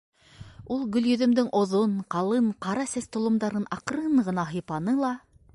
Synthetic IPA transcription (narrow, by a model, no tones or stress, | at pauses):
ulˠɡɵ̆ljɵ̆ðɵ̆md̪ɘŋʔŏðonqɑlˠɤɴqɑɾɑsæst̪ŏlˠŏmd̪ɑɾɤnɑqɾɤɴɢɤ̆nɑɦɤ̆jpɑnɤlˠɑ